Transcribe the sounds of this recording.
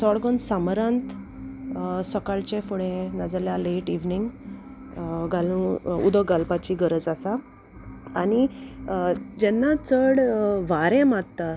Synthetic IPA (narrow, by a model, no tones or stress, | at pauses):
sɔɽɡɔnsamɾãnt̪ | səkaɭt͡ɕẽfuɽẽnad͡zaljaleʈiʋniŋɡ | ɡalũṵd̪əɡalpat͡ɕiɡəɾəd͡zasa | aɽ̃i | d͡ʑɛnːat͡səɽʋaɾɛ̃matt̪ːa